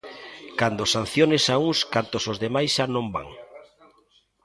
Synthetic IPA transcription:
kand̪osan̟θjonesauŋskant̪osozðemajsʃanõmba̰ŋ

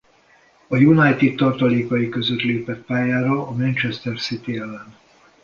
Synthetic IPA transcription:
ɒjunajt̪it̪t̪ːɒrt̪ɒleːkɒjikø̞zøt̪leːpɛt̪̚paːjaːɾɒːmɛnt͡ʃɛst̪ɛrsit̪iɛlːɛnd̪

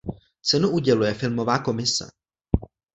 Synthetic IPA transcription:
t͡sɛnuʔuɟɛlujɛfɪlmo̞vaːko̞mɪsɛ̰

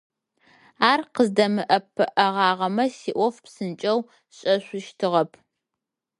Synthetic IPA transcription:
aːrqəzdɐmɨʔɐpʰːɨʔɐʁɑːʁɐmɐsiːʔʷɔfpsɨnt͡ʃʼɐw | ɕʼɐɕʷʊʃtʰɨʁɐpʰ

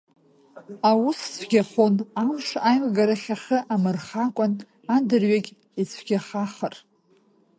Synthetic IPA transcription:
awussɡʲaχonamʂajmɡaɾaχʲaχəʔamɨrχakʷʼan | adɨrɥaɡʲ | it͡sʰɡʲaχaχər

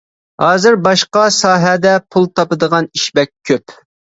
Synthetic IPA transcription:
hɑːzɪɾbɑʃqɑsɑːɦɛd̪ɛpʰulˠt̪ʰɑpɨd̪əʁɑniʃbɛk̚ʲʰːøp

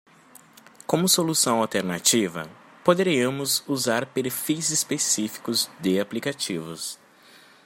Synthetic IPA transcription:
kõmʊsolusɐ̃w̃awt̪eɾnat͡ʃivɐ̰ | pod̪eɾiɐmʊzuzaɾpeɾfijzispesifi̥kʊzd̪ɪaplikat͡ʃivʊs

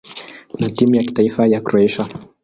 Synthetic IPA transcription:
natimujaki̥taifajakuɾoɛʃa

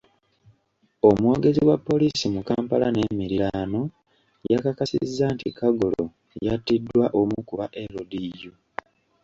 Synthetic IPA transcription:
omwo̞ːɡe̞ziwapːo̞lisimukaːmpalane̞miɾilaːno̞ | jakakasḭzːaːntikaɡolo̞̰ | jatːidːwaʔo̞mukuβaʔe̞ɾodijo

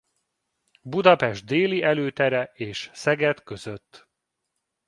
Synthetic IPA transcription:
bud̪ɒpɛʒd̪̚d̪eːliɛløːt̪ɛɾɛeːʃsɛɡɛt̪kø̞zøt̪ː

